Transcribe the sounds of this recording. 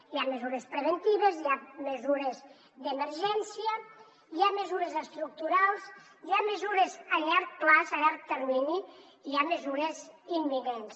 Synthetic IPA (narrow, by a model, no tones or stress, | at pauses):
jamezuɾespɾəβ̞ent̪iβezjamezuɾez | d̪eməɾʒɛnsiə | iamezuɾezəst̪ɾuk̚t̪uɾalˠs | iaməzuɾezaʎaɾk̪̚plazaʎaɾk̚t̪eɾmini | iamezuɾezimːinens